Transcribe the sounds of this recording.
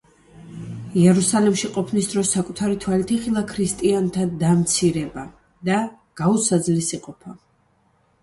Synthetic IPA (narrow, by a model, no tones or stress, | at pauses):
iɛɾusalɛmʃiqʼɔpʰnisd̪ɾɔsːakʼut̪ʰaɾit̪ʰwalit̪ʰiχilˠakʰɾist̪ʼiant̪ʰad̪amt̪sʰiɾɛba | d̪a | ɡ̥ausad̪zlisiqʼɔpʰa